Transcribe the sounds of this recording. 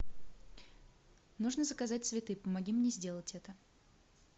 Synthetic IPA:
nuʐnəzəkɐzatʲsvʲɪt̪ɨpəmɐɡʲimnʲezʲdʲe̞lˠətʲɛt̪ə

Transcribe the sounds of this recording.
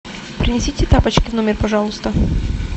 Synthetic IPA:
pɾʲɪnʲɪsʲitʲɪt̪apɐt͡ɕkʲɪvnomʲɪrpɐʐɑlˠʊst̪ə

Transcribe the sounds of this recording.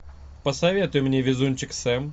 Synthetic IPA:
pəsɐvʲe̞t̪ʊjʊmnʲevʲɪzunʲt͡ɕɪksɛm

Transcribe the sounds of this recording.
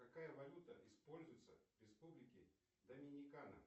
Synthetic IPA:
kɐkajəvɐlʲut̪əʔɪspo̞lʲzʊjɪt̪səvɾʲɪspublʲɪkʲɪ | d̪ɐmʲɪnʲɪkanə̰

